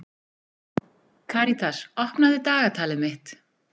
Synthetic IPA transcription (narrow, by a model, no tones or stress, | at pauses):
kʰaɾit̪ʰasɔhpnaðɪt̪aːɣat̪ʰaːlɪmɪht̪